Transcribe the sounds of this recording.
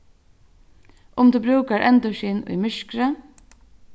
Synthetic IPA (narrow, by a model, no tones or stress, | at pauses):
ʔʊmt̪ʰuːbɾʉːkaɹʔɛnt̪ʊʃiːnʊ̰jmʏʃkɾə